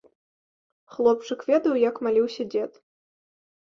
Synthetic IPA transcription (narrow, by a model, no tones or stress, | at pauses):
xlˠɔp̚t͡ʂɨkvʲɛd̪ɐwjɐkmalʲiwsʲɐd͡zʲɛt̪